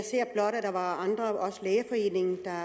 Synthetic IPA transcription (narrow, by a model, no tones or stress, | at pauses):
se̝ɐ̰b̥lɒ̽ɾ̥æd̥ɑ̈ʋɑ̈ɑ̈nd̥ʁɐɒ̽səleːɐfɒ̽e̝̰ːne̝ŋ̩d̥ɑ̈